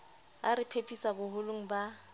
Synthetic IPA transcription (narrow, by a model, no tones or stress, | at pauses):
aɾɪpʰepʰʼisabʊɦʊlʊŋ̩ba